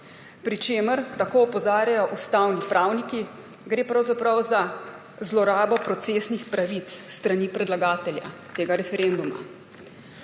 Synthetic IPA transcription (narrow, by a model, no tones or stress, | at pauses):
pɾit͡ʃeːməɾt̪akoːɔpɔzaːɾjajɔʔust̪awnipɾaːwniki | ɡɾeːpɾɐwzapɾawza | zlɔɾaːbɔpɾɔt̪seːsnixpɾaʋit̪sst̪ɾaniːpɾɛd̪laɡaːt̪ɛlja̰t̪eːɡaɾɛfɛɾend̪uma̰